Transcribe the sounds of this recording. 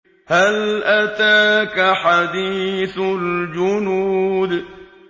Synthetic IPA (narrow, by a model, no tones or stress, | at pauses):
halʔat̪aːkaħad̪iːθld͡ʒʊnuːd̪